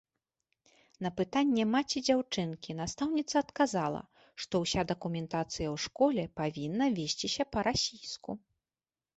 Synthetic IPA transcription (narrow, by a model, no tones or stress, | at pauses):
nɐpɨt̪anʲːɛmat͡sʲid͡zʲawt͡ʂɨnkʲinast̪awnʲit̪sɐːt̪kazalˠɐ̰ | ʂt̪ɔwsʲad̪ɐkumʲɛnt̪at̪sɨjɐwʂkɔlʲɛpavʲinːɐvʲesʲt͡sʲisʲɐpɐɾasʲijsku